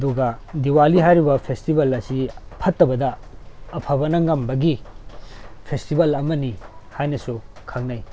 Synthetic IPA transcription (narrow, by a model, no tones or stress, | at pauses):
ɐduɡɐ | diwaliɦajɾibɐpʰestibɐlɐsipʰɐtːɐbɐdɐː | pʰɐbɐnɐŋɐmbɐɡi | pʰestibɐlɐmɐnihajnɐsu | kʰaŋnɐj